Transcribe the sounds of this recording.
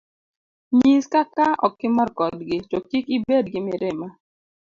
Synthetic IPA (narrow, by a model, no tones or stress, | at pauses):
ɲiskakaɔkɪmɔɾkɔdɡɪtokikibed̚ɡɪmɪɾɪma